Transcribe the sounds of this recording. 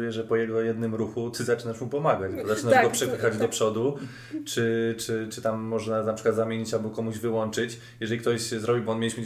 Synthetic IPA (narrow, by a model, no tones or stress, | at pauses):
jɛʐɛpɔjɛɡɔjɛd̪nɘmɾuxut̪ʰɘzat͡ʂɘnaʂmupɔmaɡad͡ʑbɔzat͡ʂɘnaɡɔpʂɛpɘxad͡ʑd̪ɔpʂɔd̪u | t͡ʂɘt͡ʂɘt͡ʂɘt̪amːɔʐnanapʂɘ̥kwad̪zamʲjeɲit͡ɕabukɔmuʑvɘwɔnt͡ʂɘt͡ɕ | jɛʐɛlʲikt̪ɔɕzɾɔbʲibɔɔnmʲelʲiɕm